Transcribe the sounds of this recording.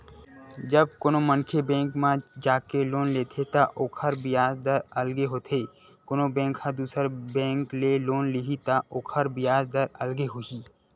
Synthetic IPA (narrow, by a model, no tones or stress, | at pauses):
d͡ʒɐb̚koːnomənkʰebɛ̃ːŋkmãd͡ʒaːkeloːnleːt̪ʰet̪aʔoːkʰəɾbɪjaːzd̪əɾɐlɡeɦoːt̪ʰeː | konobɛ̃ːŋkhɐd̪uːsəɾbɛ̃ːŋkleloːnlɪɦit̪aʔoːkʰəɾbɪjaːzd̪əɾɐlɡeɦʊiː